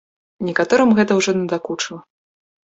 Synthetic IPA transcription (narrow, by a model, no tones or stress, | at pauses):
nʲɛkat̪ɔɾɨmɣɛt̪ɐwʐɔnʲɛd̪akut͡ʂɨlˠɐ